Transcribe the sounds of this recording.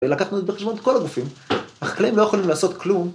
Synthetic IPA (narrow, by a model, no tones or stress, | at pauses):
elakaχnuet̪beχeʃbonet̪ko̞laɡufimaχḁklaimlojexolimlaːso̞t̪klum